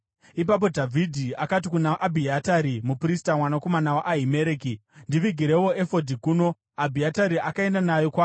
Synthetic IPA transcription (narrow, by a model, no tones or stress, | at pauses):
ip̬ap̬o̞dʱavʱidʱiakat̬ikunaʔabʱiataɾimupristamwanako̞manawaʔaɦimeɾeːkindiʋiɡʱiɾewo̞efodʱikuno̞ | abʱiataɾiʔakae̞ndanajokwaː